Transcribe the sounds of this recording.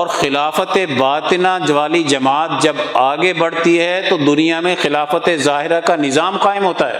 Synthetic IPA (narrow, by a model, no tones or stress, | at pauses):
ɔːɾxɪlaːfət̪eʋaːt̪ɪnãd͡ʒɐʋaːlid͡ʒɐmaːt̪̚d͡ʒɐbaːɡebɐɽ̤t̪iɦɛt̪od̪ʊnijamẽxɪlaːfət̪ezaːɦɪɾakanɪzaːmqaːɪmɦoːt̪aɦɛ̰ː